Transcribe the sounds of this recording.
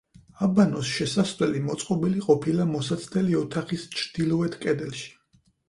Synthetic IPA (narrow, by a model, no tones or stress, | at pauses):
abanɔsʃɛsasvɛlimɔt̪sʼqʼɔbiliqʼɔpʰilamɔsat̪sʰt̪ɛliɔt̪ʰaχist͡ʃʰɾd̪̥ilˠɔɛt̪ʰkʼɛd̪ɛlˠʃi̥